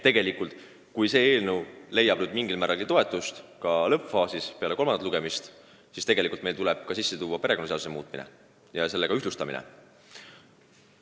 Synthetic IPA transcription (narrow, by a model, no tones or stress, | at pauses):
t̪ːe̞ɡe̞likˑult̪ˑ | kujse̞ːeːlnəwle̞jɑb̥nyd̪miŋɡilmæːɾɑlɡ̥it̪o̞e̞t̪ːˑust̪kɑlɤpfɑːsispe̞ɑle̞ko̞lmɑnd̪ɑt̪luɡ̥e̞mist̪ | sist̪e̞ɡ̥e̞likult̪me̞jlt̪ulɛb̥̚kɑsisːe̞t̪uːwːɑpe̞ɾe̞konɑseɑd̪usemṵːt̪ˑminḛ | jɑse̞lːeɡɑyɦlust̪ɑmḭnɛ̰